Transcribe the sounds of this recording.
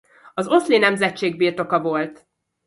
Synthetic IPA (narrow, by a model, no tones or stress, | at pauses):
ɒzo̞slinɛmzɛt͡ʃːeːɡ̚biːrt̪o̞kɒvo̞lt̪